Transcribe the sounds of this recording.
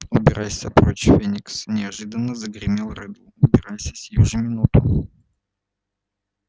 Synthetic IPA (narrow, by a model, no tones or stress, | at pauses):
ʊbʲɪɾʔajsʲɐpɾot͡ɕfʲenʲɪksnʲɪɐʐɨd̪ənːəzəɡɾʲɪmʲilˠrɨd̪lˠʊʊbʲɪɾajsʲəsʲjuʐɨmʲɪnut̪ʊ